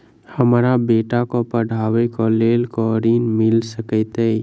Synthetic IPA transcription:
həmɾabeːʈakopəɽʱaːwekoleːlkoɾiːnmɪlsəkət̪e

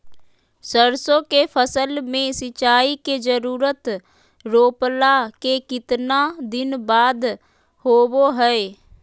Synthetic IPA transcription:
səɾsõːkeːpʰəsəlmẽːsɪt͡ʃaːiːkeːd͡ʒəɾuːɾət̪ | ɾoːplaːkeːkɪt̪naːd̪ɪnbaːd̪ | hoːboːɦɛeː

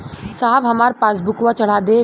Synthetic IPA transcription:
saːbɦɐmaːɾpaːsbʊkʋat͡ʃɐɽ̤aːd̪eː

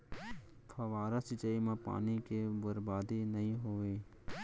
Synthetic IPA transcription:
pʰɐʋaːɾasɪt͡ʃaimãpa̰ːnikebəɾbaːd̪inɐɦĩɦoːʋeː

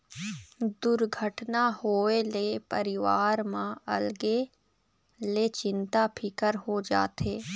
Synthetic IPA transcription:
d̪ʊɾɡʱəʈnahoːelepəɾɪʋaːɾmãɐ̰lɡe | let͡ʃɪ̃nt̪apʰɪkəɾɦod͡ʒa̰ːt̪eː

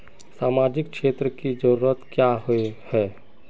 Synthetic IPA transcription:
saːmaːd͡ʒɪkkʃeːt̪ɾəkid͡ʒəɾuːɾət̪kjaɦoehɛː

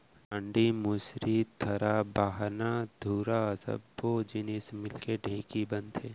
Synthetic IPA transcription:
ə̃ɳɖimʊsɾit̪ʰɐɾabaːɦnad̪ʱuːɾasə̰bːod͡ʒɪnismɪlkeɖʱẽːkibɐ̃nd̪ɦɛː

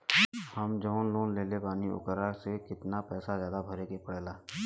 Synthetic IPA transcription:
həmd͡ʒɔːnloːnleːlepaːniʊ̰kəɾaːɾsekɪt̪napɛːsazjaːd̪abʱɐɾeːkepəɽeːlaː

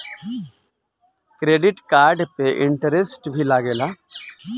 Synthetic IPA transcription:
kɾeːɖɪʈkaːɾɖpeʔɪɳʈəɾesʈbʱilaɡeːla

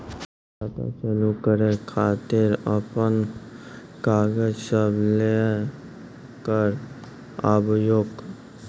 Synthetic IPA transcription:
at̪a̰t͡ʃəlukəɾekʰaːt̪ɪɾəpən | kaːɡəd͡ʒsəble | kəɾ | əbjoːɡ

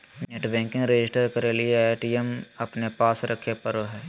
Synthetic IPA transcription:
neʈbɛ̃ːŋkɪ̃ŋɡɾed͡ʒɪsʈəɾkɐɾelieeːʈiemɐpnepaːsɾɐkʰːepɐɾoɦɛː

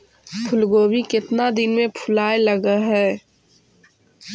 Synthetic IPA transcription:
pʰʊlɡoːbikɪt̪nad̪ɪnmẽpʰʊlaːeləɡaɦɛː

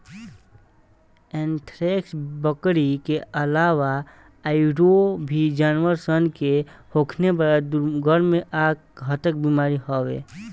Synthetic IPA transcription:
ɛ̃nʈʰɾeːksbəkɽikeəlaːʋa | aɪɖobʱid͡ʒaːnwəɾsənkehoːkʰnebəɾd̪ɡʱəɾmẽʔaːk̚ɦət̪ək̚biːmaːɾiɦɔʋḛː

